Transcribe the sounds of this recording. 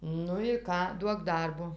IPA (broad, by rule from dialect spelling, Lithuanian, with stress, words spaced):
ˈnʊ ɪ ˈkɑː ˈduɔk ˈdɐrboː